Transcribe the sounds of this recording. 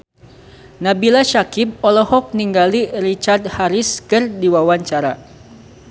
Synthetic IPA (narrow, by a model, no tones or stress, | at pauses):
nabilaʃakip̚ɔlɔhɔk̚niŋɡalirit͡ʃard̪̚haɾiskɨrdiwawaɲt͡ʃaɾa